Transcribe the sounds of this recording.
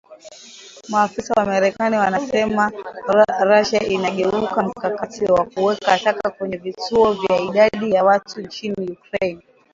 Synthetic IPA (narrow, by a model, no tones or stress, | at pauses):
maːfisawamaɾɛkaniwanasɛma | ɾaʃaʔinaɠɛukam̩kakatiwakuwɛkaʃakakwɛɲɛvituɔvjaiɗaɗijawatunt͡ʃinijukɾɛn